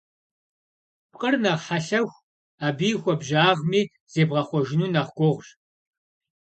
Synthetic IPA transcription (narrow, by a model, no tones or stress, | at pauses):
pqʼərnɐʁħaɬɐxʷ | aːbiːxʷɔbʒaːʁmiː | z̥eːbʁɐχʷɔʒɪnuːnaʁɡʷɔʁʷɕ